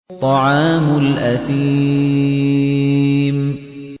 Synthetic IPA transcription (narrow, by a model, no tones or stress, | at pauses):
t̪ˤːɑʕɑːmʊlʔaθiː | m